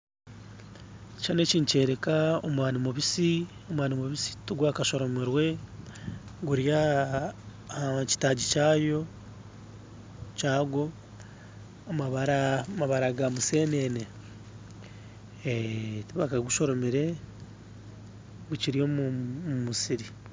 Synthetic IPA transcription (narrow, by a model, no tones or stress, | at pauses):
t͡ʃane̞ːciːnce̞ːɾekaomwaːnimuβisi | o̞mwaːnimuβisi̥tuɡwaːkaʃo̞ɾo̞meɾwe̞ | ɡuɾja | ci̥taːɟicaːjo̞ | t͡ʃaːɡo̞ | amaβaɾamaβaɾaɡamuseːnene | tβakaɡuʃo̞ɾo̞meɾe̞ | ɡuciɾijo̞muumusiɾi